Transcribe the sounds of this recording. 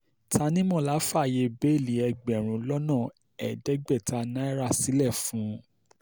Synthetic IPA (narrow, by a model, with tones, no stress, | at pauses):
ta˧nĩ˦mɔ̃˦˨la˨˦fa˦˨je˧be˦˨li˨˦ɛ˧ɡ͡bɛ˨ɾ̃ũ˨lɔ˦nã˦˨ | ɛ˨dɛ˦ɡ͡bɛ˦˨ta˧nã˦i˦ɾa˦˨si˨˦lɛ˦˨fũ˨˦